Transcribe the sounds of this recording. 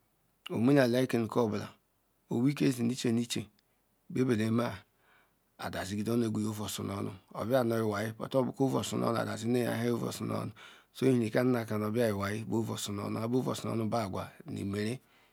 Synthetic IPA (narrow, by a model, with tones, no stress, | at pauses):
o̰˨m˦i˦na˨la˦i˦ke˨n˨ko˦˨bla̰˨ | o˨wi˦ke˦zi˨ni˦t͡ʃe˦ni˦t͡ʃe˨ | be˦be˨le˨˦ma˦ | a̰˨da˨zi˦ɡi˨do˦n˦e˨ɡʷu˨jo˦vo˨su˨no˦nṵ˦o̰˨bja˦˨nɔ˨ji˨wa˨ji˦po̰˨to˦bu˨ko˦vo̰˨sṵ˨nɔ̰˦n˨a̰˨da˨zi˦e˦ja̰˨˦ɦe˦o˦vo̰˨su˨nɔ̰˦nu˨so˦i˦hi˦ni˨ka˦na˦a˨ka˨n˨o˨bja˦ji˨wa˨ji˦bo˦vo˨su˨no̰˦n˦a˨˦bo˦vo̰˨su˨nɔ̰˦nu˦ba˦˨ɡʷa̰˨nḭ˨me˨ɾe˦